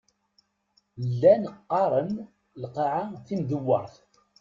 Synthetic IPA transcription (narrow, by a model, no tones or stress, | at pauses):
lːænqːɑɾˤən | lqɑʕaθimðəwːəɾˤθ